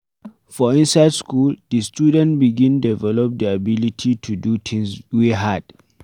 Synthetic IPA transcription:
fɔĩnsaɪdskuldistudɛ̃ntbiɡĩndɛvɛlɔp̚diabilitʰitʰudut̪ʰĩŋswiɦad̥

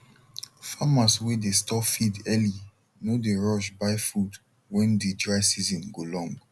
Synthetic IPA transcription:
famaswedestɔfidɛli | nodeɹɔʃ̬baɪfud | wɛ̃ndedɹaɪsizɔ̃nɡolɔ̃ŋɡ

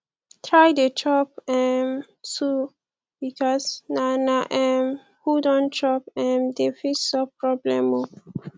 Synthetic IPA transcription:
tʰɹajdetʰɹɔp̚ɛ̃m | su | bikʰɔsnanaʔɛ̃m | hudɔ̃ntʰɹɔpɛ̃mdefitsɔpɹɔblɛ̃mo

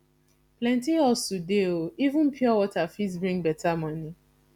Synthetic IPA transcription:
plɛ̃ntiɔsudeoivʊ̃n̩pʰjɔwɔtafisbɹĩŋbɛtamɔ̃ni

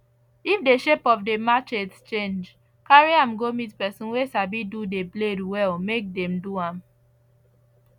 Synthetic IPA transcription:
ifdeʃepɔfdemakett͡ʃẽnd͡ʒ | kaɹiãmɡomitpɛsɔ̃nwesabidudebledwɛlmek̚dɛ̃mduãm

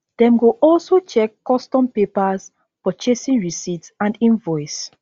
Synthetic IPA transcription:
d̥ɛ̃mɡoʔɔlsot͡ʃɛkːɔstɔ̃mpepaz | fɔt͡ʃesĩnɹisitsãndĩnvɔɪs

